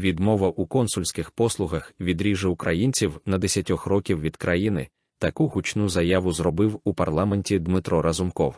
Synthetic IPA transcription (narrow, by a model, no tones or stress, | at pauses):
ʋʲid̪mɔʋɐʔukɔnsʊlʲsʲkɪxpɔslˠʊɦɐxʋʲid̪ɾʲiʒɪʊkɾʔɐjinʲt͡sʲiwnɐd̪esʲɐtʲɔxrɔkʲiwʋʲid̪kɾʔɐjinɪ̰ | t̪ɐkuɦʊt͡ʃnuzɐjaʋʊzrɔbɪwupɐrlˠamenʲtʲid̪mɪt̪ɾɔɾɐzʊmkɔw